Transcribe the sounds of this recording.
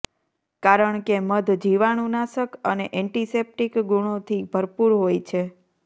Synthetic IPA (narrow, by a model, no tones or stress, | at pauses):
kaɾəɳkeməd̪ʱd͡ʒiʋaɽ̃unaʃəkəneʔɛ̃ɳʈisep̚ʈikɡuɳ̃ot̪ʰibʱəɾpuɾɦojt͡ʃʰe